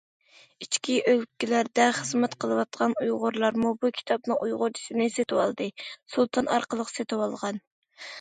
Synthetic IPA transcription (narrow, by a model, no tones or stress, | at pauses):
it͡ʃkʲiʔølkʲilæɾd̪ɛχəzmɛt̪qʰəlˠɨwɑt̪qɑnujʁʊɾlˠɑɾmubukʲʰi̥t̪ʰɑpnɨŋʔujʁʊɾt͡ʃʰi̥sɪnɨset̪ʰɪwɑ̰lˠd̪ɨsulˠt̪ʰɑnɑ̰ɾqəlˠəqset̪ʰɪwɑlˠʁɑn